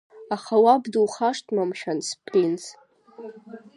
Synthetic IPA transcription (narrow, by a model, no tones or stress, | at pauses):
aχawabdɨlχaʂtʼmamʃᶣanspʰlins